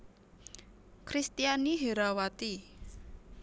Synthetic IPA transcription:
kɾist̪ianiɦeɾawat̪i

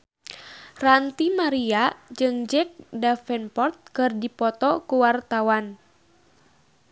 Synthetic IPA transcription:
rant̪imaɾiad͡ʒɨŋd͡ʒɛk̚dafɛnpɔrt̪̚kɨrdipɔt̪ɔkuwart̪awan

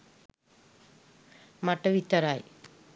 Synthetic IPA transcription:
mɐʈːɐʋit̪ːɐɾaːj

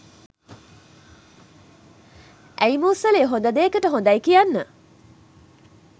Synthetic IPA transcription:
ʔæjmuːsɐleːɦond̪ɐd̪eːkəʈəɦond̪ɐjkijanːə

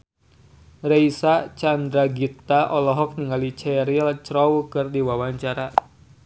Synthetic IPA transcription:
rejsat͡ʃand̪ɾaɡit̪aʔɔlɔɦɔk̚niŋalit͡ʃɛɾilt͡ʃɾɔwkɨrdiwawaɲt͡ʃaɾa

